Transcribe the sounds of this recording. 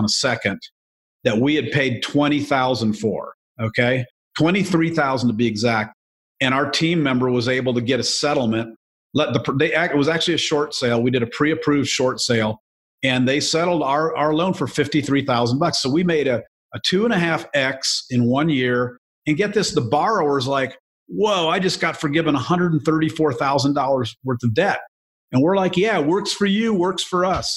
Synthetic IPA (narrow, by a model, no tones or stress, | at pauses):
nəsɛkɨ̃n | ðɨt̚wiɨd̚pʰeɪd̚tʰw̥ɛ̃ɾ̃iθaʊzə̃n̩d̥fə̰˞ | oʊkʰeɪ | tʰw̥ɛ̃ɾ̃iθɹiθaʊzn̩tʰəbiɨɡzæk̚t̚ | ɨ̃ɾ̃aʊə˞tʰĩmːɛ̃mbə˞wʌzeɪbl̩ˠtɨɡɛɾɨsɛɾl̩ˠmɨ̃nʔ̚ | lɛt̪̚ðəpʰðeɪʔæɪt̚wʌzæk̚t͡ʃʉl̩ˠiɨʃɔɹtseɪlˠwidɨɾɨpʰɹ̥iɨpʰɹ̥ʉvd̥ʃɔɹtseɪlˠ | ɨ̃nðeɪsɛɾl̩ˠdaə˞ʔaə˞lõʊ̃nfə˞fɪftiθɹiθaʊzn̩bʌksːoʊwimeɪɾɨ | ətʰʉə̃ñɨɦæfɛksɨ̃nwʌ̃njɪɹ | ɨ̃nɡɛt̪̚ðɪsðəbɑɹoʊə˞zlaɪk | woʊaɪd͡ʒʌsɡ̥ɑtfə˞ɡɪvə̃nəhʌ̃ndɹədn̩θɜ˞ɾifɔɹθaʊzə̃n̩dɔlˠə˞zwɜ˞θʌvdɛɾ̚ | ɨ̃nwɪɹlaɪkjæwɜ˞ksfə˞jʉwɜ˞ksfə˞ʌs